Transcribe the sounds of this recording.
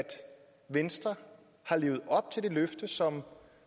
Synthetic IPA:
d̥ | ʋensd̥ʁɐ | hɑ̈le̝ːʊð̞̩ˠɒ̽b̥̚t͡sʰe̝ld̥e̝løfd̥əsɒ̽m

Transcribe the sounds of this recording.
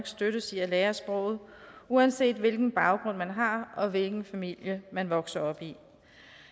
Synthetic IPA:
ɡ̥sd̥øɾəsiæleːɐsb̥ʁɔ̽ʊ̰ð̩ˠuænse̝̰ːd̥ʋe̝lɡ̥n̩b̥ɑ̈ʊɡ̥ʁɔ̽n̰mænɦɑ̈ɒ̽ʋe̝lɡ̥n̩fæmil̰jəmænʋɒ̽ɡ̥sɐɒ̽b̥i

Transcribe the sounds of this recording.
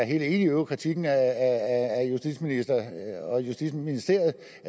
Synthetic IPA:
æɐɦe̝ːle̝ːniøʊkʰʁit͡sʰiɡ̥n̩æææjusd̥i̥sminisd̥ɐɒ̽jusd̥i̥sminisd̥e̝ɐð̩ˠ

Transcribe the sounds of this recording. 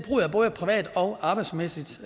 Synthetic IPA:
b̥ʁṵːæb̥ɔ̽ːðˠəpʰʁiʋɛ̰ːd̥ɒ̽ʊɑ̈b̥ɑɪd̥smesid̥

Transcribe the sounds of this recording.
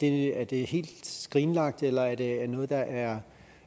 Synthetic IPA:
d̥e̝æɐd̥e̝he̝̰ːld̥sɡ̥ʁiːnlɑ̈ɡ̥̚d̥elɐæɐd̥e̝æɐnɔ̽ːð̞̩ˠd̥ɑ̈ʔæɐ

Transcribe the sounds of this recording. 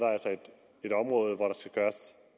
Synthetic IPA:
ɾ̥ɑ̈ælsɐed̥ | e̝ɾ̥ɒ̽mʁɔ̽ːð̞̩ˠʋɒɾɑ̈sɡ̥æɡ̥ɶːɐs

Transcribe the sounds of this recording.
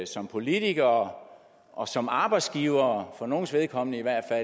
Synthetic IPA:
sɒ̽mpʰo̝lit͡siɡ̥ɐː | ʔɒ̽sɒ̽mɑ̈ːb̥ɑ̈ɪd̥sɡ̥iːʊɐːfɒ̽no̝ːn̩sʋe̝ð̞ˠkʰɒ̽m̰nəiʋæɐ̰d̥fæ

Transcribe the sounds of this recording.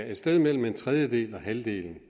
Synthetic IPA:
e̝d̥sd̥eð̞ˠmel̰m̩e̝nt͡sʰʁɛð̞ˠjəd̥e̝̰ːlɒ̽ɦæld̥e̝̰ːln̩

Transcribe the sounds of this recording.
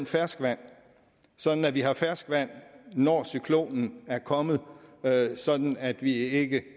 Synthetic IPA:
nfæɐsɡ̥ʋæn̰ | sɒ̽d̥n̩æʋiɦɑ̈fæɐsɡ̥ʋæn̰nɒːsykʰlo̝̰ːnn̩æɐkʰɒ̽mð̞̩ˠ | sɒ̽d̥n̩æd̥ʋie̝ɡ̥ə

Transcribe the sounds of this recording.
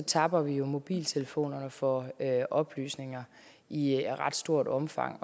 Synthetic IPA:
ɒ̽t͡sʰɑ̈b̥ɐʋijo̝mo̝b̥ḭːlt͡sʰe̝ləfo̝̰ːnɐnəfɒ̽øʔɒ̽b̥ly̰ːsne̝ŋɐ | ʔiʁɑ̈d̥sd̥o̝ɐ̰d̥ɒ̽mfɑ̈ŋ̰

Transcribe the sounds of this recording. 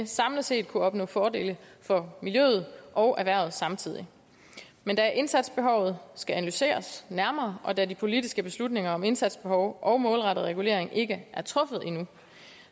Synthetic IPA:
esɑ̈mlð̩ˠse̝̰ːd̥̚kʰuɒ̽b̥nɔ̰̽ːfɒːde̝̰ːləfɒ̽miljø̰ːð̞̩ˠʔɒ̽ʊʔæʋæɐ̰ð̞̩ˠsɑ̈mt͡sʰið̞̰ˠi | mend̥æʔe̝nsæd̥sb̥e̝ɦɒ̽ʊð̞̩ˠsɡ̥æænælyse̝̰ːɐsnæɐmɐːʔɒ̽d̥ædipʰo̝lidisɡ̥əb̥e̝slud̥ne̝ŋɐɒ̽me̝nsæd̥sb̥e̝hɒʊʔɒ̽ʊmɔːlʁɑ̈ɾ̥ð̩ˠʁɛɡ̥ule̝̰ɐ̰eŋʔe̝ɡ̥əʔæɐt͡sʰʁɔ̽fð̞̩ˠe̝nu

